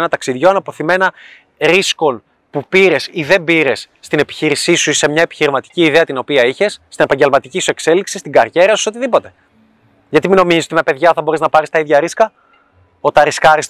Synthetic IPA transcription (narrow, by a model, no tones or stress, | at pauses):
nɐt̪ɐksiðʝoɐnɐpo̞θime̞nɐ | ɾisko̞n | pupiɾe̞siðe̞mbiɾe̞sːt̪ine̞pi̥çiɾisisuse̞mɲɐepi̥çiɾimɐt̪i̥ciːðe̞ɐt̪ino̞piɐiçe̞sːt̪ine̞pɐɲɟe̞lmɐt̪icisue̞kse̞liksist̪iɡɐɾʝe̞ɾɐsu̥seo̞t̪iðipo̞t̪e̞ | ʝɐt̪imino̞mizizot̪imepe̞ðʝɐθɐbo̞ɾeznɐpɐɾist̪ɐiðʝɐɾiskɐ | ot̪ɐɾiskɐɾis